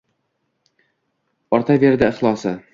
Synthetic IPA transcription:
ɒɾt̪ʰave̞ɾd̪ɪɪχlˠɒsɪ

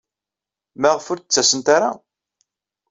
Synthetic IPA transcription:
mæʁfʊɾt͡sːæsənt̪aɾa̰

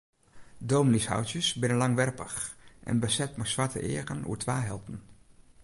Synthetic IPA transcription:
doːmnisha̰wtjəsbɪnənlɑŋʋɛrpəxʔɛ̰nbəsɛtmasʋaɹtə̰ʔɪ̰ːɣənṵːtʰʋaːɦɛlˠpən̩

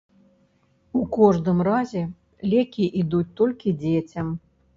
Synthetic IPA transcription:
ukɔʐd̪ɨmrazʲɛ | lʲɛkʲiʔid̪ut͡sʲt̪ɔlʲkʲid͡zʲet͡sʲɐm

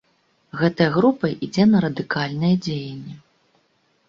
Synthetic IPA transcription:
ɣɛt̪ɐjɐɣɾupɐʔid͡zʲɛnɐɾɐd̪ɨkalʲnɨjɛd͡zʲejɛnʲːɛ

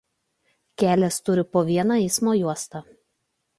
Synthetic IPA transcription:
kʲæːlʲɛst̪ʊɾʲɪpoːʋʲiɛnɑːɛɪsmoːjuɔst̪ɑ

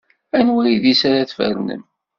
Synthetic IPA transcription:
ænwiliðisaɾaθfə̰ɾnə̰m

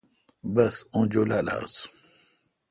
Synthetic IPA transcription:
bɐsõd͡ʑolala̰ːs

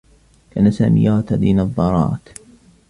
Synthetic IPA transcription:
kaːnasa̰ːmɪ̰jaːt̪ad̪iːnɑðˤːɑɾˤɑ̰ːt̪

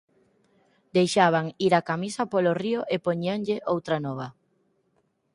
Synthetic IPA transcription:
d̪ejʃaβ̞aŋiɾakamisɐpoloriʊʔepoɲiaŋʎɪʔowt̪ɾanɔβ̞ɐ

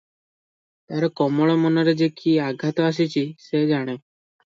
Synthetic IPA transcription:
t̪aɾɔkɔmɔɭɔmɔnɔɾed͡ʒekʰiaɡʱat̪ɔas̬it͡ʃʰised͡ʒaɽ̃e

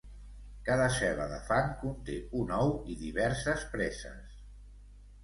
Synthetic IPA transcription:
kaðəsɛβəðəfaŋkunt̪eunɔwiðiβɛɾsəspɾɛsə̰s

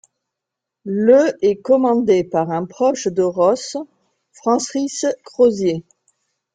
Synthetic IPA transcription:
ləɛkɔmɑ̃d̪epaʁɛ̃pχɔʃd̪əʁɔs | fχɑ̃sʁiskχozje

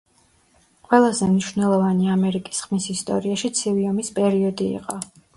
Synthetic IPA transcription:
qʼwɛlˠazɛmniʃvnɛlˠɔvaniamɛɾikʼi̥sχmisist̪ʼɔ̰ɾiaʃit̪sʰiviɔmispʼɛɾiɔd̪ḭːqʼɔ

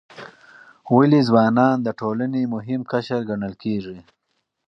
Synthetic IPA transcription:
walizwɑːnɑːnd̪əʈolanemʊɦɪmkaʃəɾɡaɳəlkeʐi

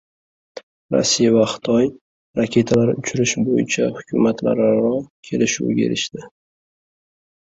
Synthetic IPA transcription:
ɾa̰sːijavaχɪ̥t̪ʰɒj | ɾakʲʰe̞t̪ʰalaɾʊt͡ʃʰʊɾɪʃbojɪ̰t͡ʃʰahʊ̥kʲʰʊmat̪ʰla̰ɾɾɒkʲʰe̞lɪʃṵɡʲaḛɾɪʃd̪̥ɪ

